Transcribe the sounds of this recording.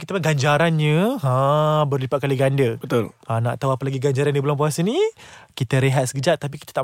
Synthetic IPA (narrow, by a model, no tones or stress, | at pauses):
kit̪əmaɡaɲd͡ʒaɾanɲəãbərlipat̪̚kaliɡandəbət̪oləna̰ʔt̪awapəlaɡiɡaɲd͡ʒaɾandibəlaŋpuasənikit̪əɾeɦat̪sə̥kəd͡ʒaʔt̪ːapikit̪ə̥t̪a